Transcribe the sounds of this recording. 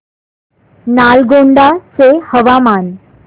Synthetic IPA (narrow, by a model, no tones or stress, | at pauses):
naːlɡoɳɖasehəʋamaːn